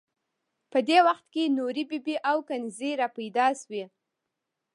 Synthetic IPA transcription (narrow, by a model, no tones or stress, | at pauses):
pəd̪ewaxt̪kenoɾibibiʔawkanziɾapajd̪ɑswi